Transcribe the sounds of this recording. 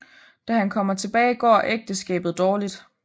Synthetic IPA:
d̥æhænkʰɒ̽m̰ɐt͡sʰe̝b̥ɛːɪɡ̥ɒ̰ːʔeɡ̥̚d̥əsɡ̥ɛ̰ːb̥ð̞̩ˠd̥ɒːlid̥

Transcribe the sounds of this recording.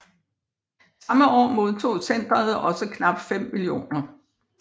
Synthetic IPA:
sɑ̈məʔɒ̰ːmo̝ð̞ˠt͡sʰo̝̰ːsen̰d̥ʁɐð̩ˠɒ̽səkʰnɑ̈b̥fem̰ːilio̝̰ːnɐ

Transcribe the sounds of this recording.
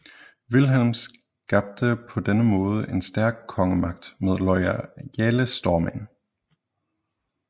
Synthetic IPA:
ʋilɦelms | ɡ̥ɑ̈b̥̚d̥əpʰɒ̽d̥enəmɔ̽ːð̞ˠəʔe̝nsd̥æɐɡ̥̚kʰːɒ̽ŋəmɑ̈ɡ̥̚d̥með̞ˠlɒɪæeləsd̥ɒːmæ̰n

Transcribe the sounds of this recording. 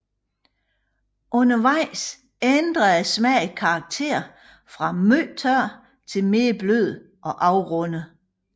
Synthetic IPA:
ʔɔ̽nɐʋɑ̈ɪ̰s | end̥ʁɐðˠæsmɛ̰kʰɑ̈ːɡ̥̚t͡sʰe̝̰ɐ̰ | fʁɑ̈møːt͡sʰœɐ̰ | t͡sʰe̝lme̝ːbløð̰ˠ | ʔɒ̽ʔɑ̈ʊʁɔ̽nə

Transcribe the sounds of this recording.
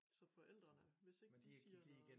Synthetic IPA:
sɒ̽fɒ̽ʔel̰d̥ʁɐnəʋe̝se̝ɡ̥d̥iisiːɐ̥ḭɡ̥e

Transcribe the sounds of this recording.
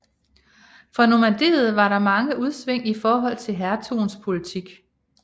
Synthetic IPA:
fɒ̽no̝mæd̥e̝̰ːð̞̩ˠʋɑ̈ɾɑ̈mɑ̈ŋəʔuð̞ˠsʋeŋ̰ifɒːɦɒ̽l̰t͡sʰe̝lɦæɐt͡sʰo̝̰ːnspʰo̝lit͡sʰiɡ̥

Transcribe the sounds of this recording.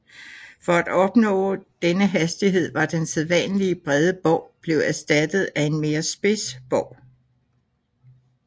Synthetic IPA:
fɒ̽æd̥ɒ̽b̥nɔ̰̽ːd̥enəɦæsd̥iɦe̝ð̞̰ˠʋɑ̈d̥enseðˠʋɛ̰nəliəb̥ʁɛð̞ˠəb̥ɒʊ̰b̥le̝ʊæsd̥æd̥ð̞̩ˠæe̝nme̝ːɐsb̥e̝sb̥ɒʊ̰

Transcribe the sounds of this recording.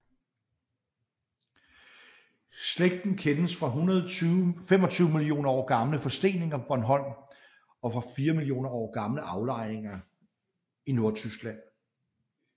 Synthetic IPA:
sleɡ̥̚d̥n̩kʰenəsfʁɑ̈ɦun | fem̰ɒ̽t͡sʰyːʊmilio̝̰ːnɐɒ̰ːɡ̥ɑ̈mləfɒ̽sd̥e̝̰ːne̝ŋɐɒ̽b̥ɒnɦɒ̽n̰ | ɒ̽fʁɑ̈fiːɐmilio̝̰ːnɐɒ̰ːɡ̥ɑ̈mləʔɑ̈ʊlɑ̈ɪ̰e̝ŋɐ | ino̝ɐt͡sʰysɡ̥læn̰

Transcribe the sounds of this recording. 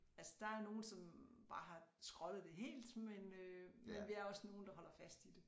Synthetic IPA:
ælsə̥d̥ɑ̈æɐno̝ːn̩sɒ̽mb̥ɑ̈ːɦɑ̈sɡ̥ʁɒ̽lð̩ˠd̥e̝ɦe̝̰ːld̥menømenʋiæɐɒ̽sno̝ːn̩d̥ɑ̈ɦɒ̽l̰ɐfæsd̥id̥e̝

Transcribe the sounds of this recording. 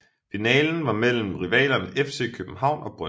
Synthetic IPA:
finɛːln̩ʋɑ̈mel̰m̩ʁiʋɛ̰ːlɐnefse̝̰ːkʰøb̥m̩ɦɑ̈ʊ̰nɒ̽b̥ʁɶ

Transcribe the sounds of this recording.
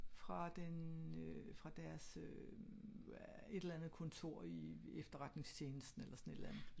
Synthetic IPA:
fʁɑ̈d̥en | fʁɑ̈d̥æɐs | e̝̥elænð̞̩ˠkʰɔ̽nt͡sʰo̝ɐ̰iefd̥ɐʁɑ̈d̥ne̝ŋst͡ɕʰe̝ːnəsd̥n̩elʔɐsɒ̽ne̝d̥lænð̩ˠ

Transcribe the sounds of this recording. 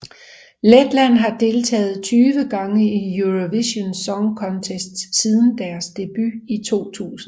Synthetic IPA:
led̥læn̰ɦɑ̈d̥e̝ːlt͡sʰɛ̰ːð̩ˠt͡sʰyːʋəɡ̥ɑ̈ŋəijuʁoʋiɕo̝nsɒ̽ŋkʰɒ̽nt͡sʰesd̥sið̞ˠn̩d̥æɐsd̥e̝b̥yit͡sʰo̝̰ːt͡sʰṵːsn̩

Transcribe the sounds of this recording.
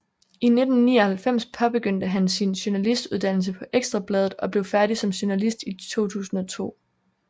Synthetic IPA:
ine̝d̥n̩ːḭːɒhælfem̰spʰɒ̽b̥e̝ɡ̥øn̰d̥əɦænsinɕonælisd̥uð̞ˠd̥æn̰l̩s̬əpʰɒ̽ʔeɡ̥sd̥ʁɑ̈b̥lɛːð̞ˠð̩ˠɒ̽b̥le̝ʊfæɐɾ̥isɒ̽mɕonælisd̥it͡sʰo̝̰ːt͡sʰṵːsn̩ɒ̽t͡sʰo̝̰ː

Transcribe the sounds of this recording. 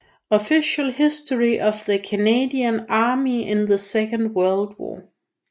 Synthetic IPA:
əfɪʃəl̩ˠhɪstə˞iʔʌvðɨkʰɨneɪdiə̃nɑːmiɪ̃nðəsɛkə̃nd̚wɜ˞lˠd̚wɔ̰ː

